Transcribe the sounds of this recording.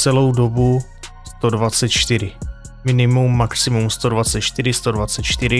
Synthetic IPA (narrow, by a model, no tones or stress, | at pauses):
t͡sɛlo̞wdo̞bu | st̪o̞dvat͡sɛt̪t͡ʃt̪ɪɾɪ | mɪnɪmumːaksɪmumst̪o̞dvatt͡sɛt̪t͡ʃt̪ɪɾɪst̪o̞dvat͡sɛt̪t͡ʃt̪ɪɾɪ